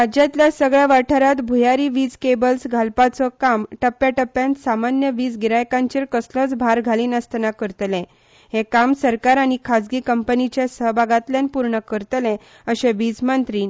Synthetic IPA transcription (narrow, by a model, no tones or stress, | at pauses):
ad͡ʑãt̪ljasəɡɭjaʋaʈʰəɾat̪bʱujaɾiʋid͡zkebəlsɡʱalpat͡sɔkamʈəpːjaʈəpːjãnt̪samanjəʋiːd͡zɡiɾajkãɲt͡ɕeɾkəslət͡sbʱaɾɡʱaliːnəst̪nakəɾt̪lẽ | hẽkamsəɾkaɾañikʰad͡zɡiːkəmpənit͡ɕjasəɦbʱaɡat̪ljanpuɾɳəkəɾt̪lɛ̃ | əɕẽʋid͡zmənt̪ɾiːn